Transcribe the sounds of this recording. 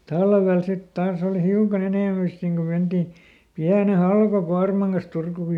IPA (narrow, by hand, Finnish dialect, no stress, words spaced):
tɑlʋel sit tɑːs oːlĭ hiukɑn eneˑmæ sit niŋ ko menti piæne hɑlkokuɑrmɑŋ kɑs turkuˑ